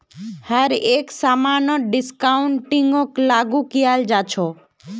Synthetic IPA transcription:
həɾeksamanɔɖɪskaʊɳʈiŋɡoklaɡukijald͡ʒat͡ʃʰo

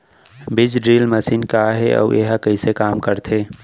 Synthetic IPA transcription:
bɪd͡ʒɖɾiːlməsiːnkaɦeɔ̰uʔeɦakəisekaːmkəɾt̪ʰe

